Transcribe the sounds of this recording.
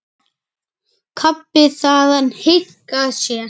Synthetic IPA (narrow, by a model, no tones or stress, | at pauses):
kʰapːɪθaːðanhet̪ | kasia